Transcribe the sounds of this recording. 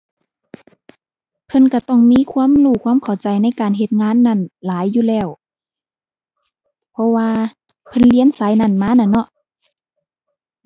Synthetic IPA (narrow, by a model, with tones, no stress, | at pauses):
pʰɤ˧˥˨nka˧˩t̪ɔ˧˩ŋmiː˧˥˨kʰwuː˧˥˨mluː˧˩kʰwaː˧˥˨mkʰa˨˩wt͡ɕa˨jna˧˥˨jkaː˨˩nɦe˧t̪̚ŋaː˧˥˨nːa˧˩˨nlaː˨˦jːuː˧˨lɛː˧˩w | pʰɔ˧˥waː˧ | pʰɤ˧˥˨nli˧˥ə˨nsa˨˦jna˧˩˨nmaː˧˥˨na˧˩nːɔ˧ʔ